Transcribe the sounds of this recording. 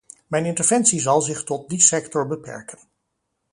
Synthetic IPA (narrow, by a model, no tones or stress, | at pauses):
mɛjnɪntəɹvɛnsizɑlˠzɪχtɔt̚disɛktɔɹbəpɛ̰ɹkən